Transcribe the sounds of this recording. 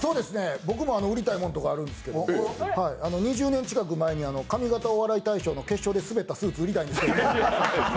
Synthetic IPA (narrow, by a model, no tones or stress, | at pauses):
so̞ːd̪e̞sɨne̞bo̞k̬ɯ̟mo̞ano̞ɯ̟ɾʲit̪aimõ̞nt̪o̞kaːɾɯ̟nd̪e̞sɨ̥ke̞d̪odhaiano̞ɲ̟iʑɨːnẽ̞ɲ̟t͡ɕi̥kak̬ɯ̟mae̞ɲ̟iano̞kamʲiɡat̪aoβaɾait̪aiɕo̞ːno̞ke̞ɕːo̞d̪e̞sɨbe̞t̪ːasɨːt͡sɨɯ̟ɾʲit̪aĩnd̪sɨ̥keom